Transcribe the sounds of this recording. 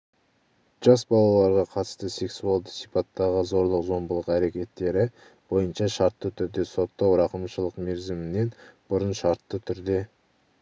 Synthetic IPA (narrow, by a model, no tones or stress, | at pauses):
ʒ̥ɑsbɑlˠɑlˠɑɾʁɑqʰɑt̪ə̥st̪əse̞ksualˠd̪əsijpɑt̪ːɑʁəzo̞ɾlˠəqzo̞mbəlˠəqæɾe̞kʲe̞t̪ːe̞ɾɪ | b̥o̞jənʃɑʃɑɾt̪ːət̪ʰʏɾd̪e̞so̞t̪ːɑwɾɑqəmʃəlˠəqme̞ɾzɪmɪne̞nb̥ʊɾənʃɑɾt̪ːət̪ʰʏɾd̪e̞